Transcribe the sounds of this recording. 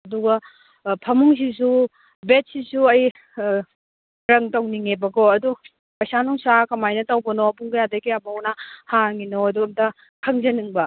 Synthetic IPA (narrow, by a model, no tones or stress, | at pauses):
ɐduɡɐ | pʰɐmuŋs̬is̬u | bet̚sisuɐj | ɾɐŋtɐwniŋebɐɡoɐdu | pɐjsanuŋsakɐmajnɐtɐwbɐnopuŋɡɐjadɐkijabɐwnɐhaŋinoɐduɐmtɐ | kʰɐŋzɐnɯŋbɐ